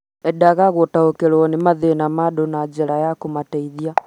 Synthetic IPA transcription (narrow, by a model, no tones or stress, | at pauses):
ɛdaɣaɣwɔtaokɛɾwɔnemaðenamadonad͡ʒɛɾajakomatɛiðia